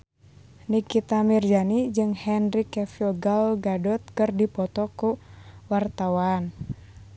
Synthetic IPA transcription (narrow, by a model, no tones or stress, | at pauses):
nikit̪amird͡ʒanid͡ʒɨŋhɛnrikɛfiɔɡalɡadɔt̪̚kɨrdipɔt̪ɔkuwart̪awan